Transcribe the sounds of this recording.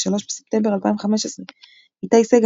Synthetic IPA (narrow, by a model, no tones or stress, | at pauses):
ʃalo̞ʃbesep̚t̪embeʁalpaimveχameʃesʁe | it̪aiseɡ